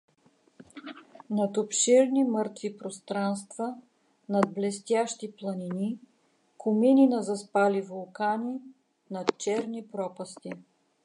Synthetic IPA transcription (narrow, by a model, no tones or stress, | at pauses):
nɐt̪opʃiɾnimɤɾt̪vipɾost̪ɾanst̪və | nɐd̪̚blɛst̪ʲjaʃt̪iplˠɐnini | kʰʊmininɐzɐspalʲivolˠkanʲi | nɐt̪t͡ʃɛɾnipɾɔpɐst̪i